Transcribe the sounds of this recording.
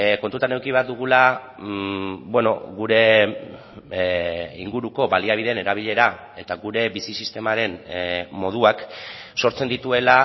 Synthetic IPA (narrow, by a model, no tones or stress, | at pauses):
ko̞nt̪ut̪ane̞wkiβeaɾd̪uɣ̞ula | bwe̞no̞̰ɣuɾe̞ | ḭŋɡuɾuko̞βaliaβ̞iðe̞ne̞ɾaβ̞iʎe̞ɾa | e̞t̪aɣuɾe̞βisisist̪e̞maɾe̞nmo̞ð̞uakso̞ɾt͡se̞nd̪it̪ue̞la